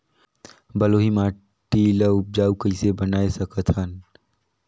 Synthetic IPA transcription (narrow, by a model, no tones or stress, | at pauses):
bəloɦimã | ʈiːləʊp̚d͡ʒaːukəsebənaːesəkət̪ʰhɦən